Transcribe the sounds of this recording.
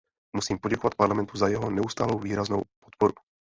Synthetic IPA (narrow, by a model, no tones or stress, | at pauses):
musiːmpoɟɛkovat̪̚paɾlamɛnt̪uzajɛɦonɛust̪aːlowviːɾaznowpot̪poɾu